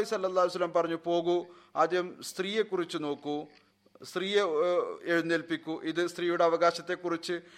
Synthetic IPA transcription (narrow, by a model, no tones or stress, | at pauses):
isɐlːɐlːaːlijsɐlːɐmpɐrɐɲːupo̞ːɣuaːd̪ʱjɐɐmst̪riːjekːurit͡ɕːɨno̞ːkːu | st̪riːjeeɻunːelpikʲːuʔiðɨst̪riːjuɽeɐʋɐɣaːɕɐt̪ːe̞kːurit͡ɕːɨ